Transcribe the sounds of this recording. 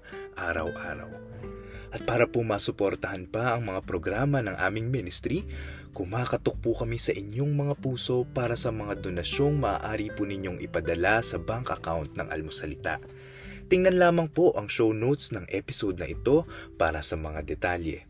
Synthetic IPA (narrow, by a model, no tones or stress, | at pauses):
ʔaːɾɐ̰wʔa̰ːɾɐ̰w | ʔɐt̪̚paːɾɐpʊmaːsʊpo̞ɾt̪ɐhɐnpɐʔɐŋmɐŋapɾo̞ɡɾaːmɐnɐŋʔaːmɪŋminɪst̪ɾi | kʊmaːkɐt̪ok̚pukɐmisɐʔɪɲo̞ŋmɐŋapuːso̞paːɾɐsɐmɐŋad̪o̞nɐʃo̞ŋmɐʔa̰ːʔaːɾipunɪɲo̞ŋʔɪpɐd̪ɐlasɐbaŋkɐkawnt̪̚nɐ̰ŋʔɐ̰lmosɐlɪt̪a̰ʔ | t̪ɪŋnɐnlaːmɐŋpo̞ʔɐŋʃo̞wnowt̪snɐŋʔɛpɪsod̪̚nɐʔɪt̪o̞paːɾɐsɐmɐŋad̪ɛt̪aljɛ̰